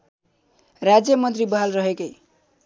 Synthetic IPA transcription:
rad͡zjʌmʌnt̪ribɦalrʌɦekʌj

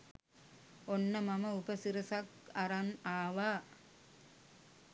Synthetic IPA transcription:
ɔnːɐmɐmɐubɐsiɾɐsɐk | ɐɾɐnaːʋa

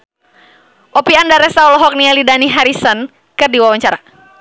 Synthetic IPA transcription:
ʔɔpiandaɾɛsaɔlɔɦɔk̚nialidaniɦaɾisən | kɨrdiwawaɲt͡ʃaɾa

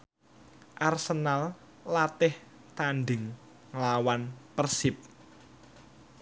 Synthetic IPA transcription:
ʔarsənal | lat̪ɪh | t̪anɖɪŋː | əlawanpərsɪp̚

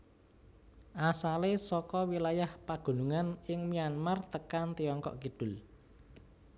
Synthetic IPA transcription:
ʔasalesɔkɔwilajahpaɡ̥ṳnuŋanɪŋmianmart̪əkant̪iɔŋkɔ̰ʔkid̥ʊ̤l

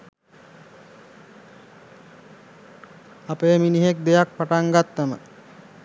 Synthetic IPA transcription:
apeːminiɦek̚d̪ejak̚paʈaŋɡat̪ːəmə̰

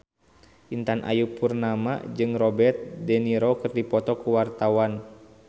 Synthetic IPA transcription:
ʔint̪anʔa̰jupurnama̰d͡ʒɨŋrɔbɛrt̪̚dɛniɾɔkɨrdipɔt̪ɔkuwart̪awan

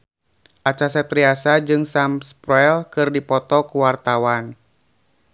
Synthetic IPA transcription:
ʔat͡ʃasɛt̪ɾiasad͡ʒɨŋsamspɾɛlkɨrdipɔt̪ɔkuwart̪awan

